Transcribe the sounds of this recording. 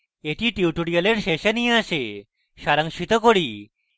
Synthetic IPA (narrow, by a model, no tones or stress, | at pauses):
eʈ̪ʰiːʈiʋʈuɽijəleɽɕeɕənɦĩaɕe | ɕaɾə̃ŋɕit̪əkoɽiː